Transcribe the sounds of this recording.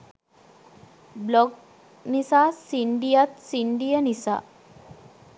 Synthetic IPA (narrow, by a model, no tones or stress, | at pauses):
blɔɡ̚ | nisasiɳɖijat̪siɳɖijənisa̰